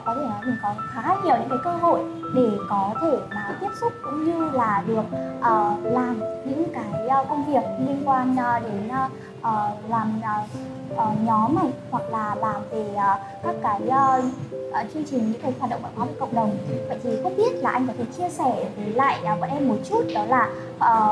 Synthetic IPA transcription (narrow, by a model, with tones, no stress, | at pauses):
kɔ˨˦t̪ʰe˧˩nɔ˨˦jmi˨˩kɔ˨˦xaː˨˦ɲi˨˩əwɲɨ̰˧˥ŋkaː˨˦kəː˧ɦo̰˧˨j | ɗe˧˩kɔ˨˦t̪ʰe˧˩maː˨˩t̪i˦˥p̚sʊ˦˥k͡p̚kʊ̰˧˥ŋ͡mɲɨ˧laː˨˩ɗɨ˨˩ək̚ʔəː˨˩laː˨˩mɲɨ̰˧˥ŋkaː˨˦jə˧kə˧wŋ͡mvi˨˩ək̚li˧ənkwaː˧nː˨˩ɗe˨˦nː˧ | ʔəː˨˩laː˨˩mə˨˩ | ʔəː˨˩ɲɔ˨˦ma˨˩jhwa˨˩k̚laː˨˩ɓaː˨˩wve˨˩ʔəː˨˩ | kaː˦˥kːaː˨˦jə˧ʔəː˨˩t͡ɕɨ˧ənt͡ɕï˨˩ŋɲɨ̰˧˥ŋkaː˨˦jxwaː˨˩ɗə̰˧˨ŋ͡mɓ̰ə̰˧˨˩kɔː˨˦˨kə̰˧˨wŋ͡mɗə˨˩wŋ͡mvə̰˧˨jt̪ʰi˨˩ko˦˥ɓi˦˥ət̚laː˨˩ʔa˧jŋ̟kɔ˨˦t̪ʰe˧˩t͡ɕi˧əsɛ˧˩və˨˦la̰ː˧˨ja˧vɔ˨˦ʔɛ˧mːo˨˩t̚t͡ɕu˦˥t̚ɗɔ˨˦laː˨˩ | ʔəː˨˩